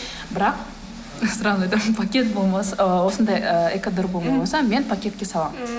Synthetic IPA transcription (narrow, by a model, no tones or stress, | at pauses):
bɪɾɑq̚ | sʊɾɑnˠɑjt̪ɑmnpʰakʲe̞t̪̚bolˠmɑswo̞sənd̪ɑjəekad̪oɾbolˠmɑmɑsɑme̞npʰakʲe̞t̪̚kʲe̞sɑlˠɑmə